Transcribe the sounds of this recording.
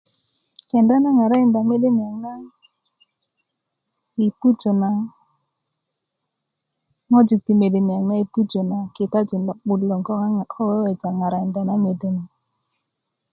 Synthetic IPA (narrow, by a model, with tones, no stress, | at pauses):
kɛ˨nda˦na˦ŋa˨ɾa˦i˨nd̪a˨me˦de˦ni˨a˨ŋna˦ | i˨pu˦d͡ʒo˨na˨ | ŋɔ˦d͡ʒi˨k̚ti˨me˨de˨ni˨a˨ŋna˦i˨pu˦d͡ʒo˨na˨kɪ˨ta˦d͡ʒi˨nlɔ˨ɓʊ˨lɔ˨ŋɡɔ˦˨ɔ˦wɛ˦wɛ˨d͡ʒa˨ŋa˨ɾa˨ɪ˨nda˨na˦me˨de˨ni˨